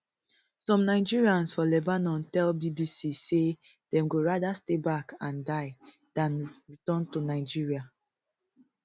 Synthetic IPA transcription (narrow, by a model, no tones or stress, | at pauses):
sɔ̃mnaɪd͡ʒiɹiãnsfɔlɛbanɔ̃ntɛlbibisise | d̥ɛ̃mɡoɹadastebakãndaɪ | d̥ãnɹitɔ̃ntunaɪd͡ʒiɹia